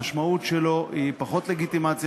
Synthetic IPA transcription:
aʃmautʃelo̞ipaχo̞t̪le̞ɡit̪imat͡sj

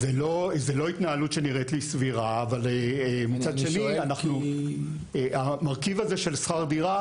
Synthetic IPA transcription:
zelo̞zelo̞it̪naalut̪ʃeniʁet̪lisviʁaːvalmit͡sadʃe̞nianaχnu | amaʁkivazeʃe̞lsχaʁd̪iʁa

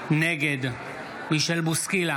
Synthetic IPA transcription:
neɡed̪ | miʃelbuskila

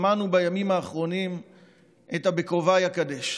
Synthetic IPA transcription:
manubajamimaːχʁo̞nim | ʔetabekovajakadeʃ

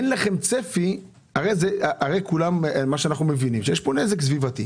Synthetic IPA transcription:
enlaχe̞mt͡sefi | aʁe̞jzeaʔaʁe̞jkulammaʃeanaχnumevinimʃejeʃpo̞nezeksvivat̪i

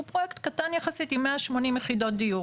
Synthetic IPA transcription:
upʁojekt̪katanjaχasitimːeaʃmo̞nimjeχido̞t̚d̪iju

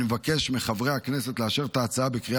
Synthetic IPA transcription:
mevake̞ʃmiχavʁejhaknese̞t̪leaʃeʁt̪aːt͡saabekʁi

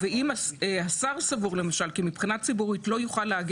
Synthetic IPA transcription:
veimaehasaʁsavuʁle̞maʃalkimipχinat͡sibuʁitlo̞juχalːeaɡ

